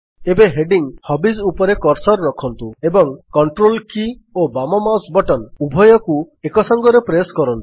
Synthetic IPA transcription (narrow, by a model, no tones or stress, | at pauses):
ebeɦeɖiŋhɔbizupɔɾekɔɾsɔɾːɔkʰɔnt̪uebɔŋkɔɳʈɾolki | obamɔmawsbɔʈɔnubʱɔjɔku | ekɔsɔŋɡɔɾepɾeskɔɾɔnt̪u̥